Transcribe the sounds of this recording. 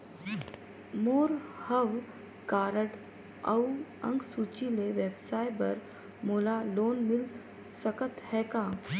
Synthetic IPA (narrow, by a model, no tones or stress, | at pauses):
moːɾhəʋ | kaɾəʈ | ə̰wə̰̃ŋɡsut͡ɕileʋjəbsajbə̰ɾ | molalonmil | səkət̪hɛka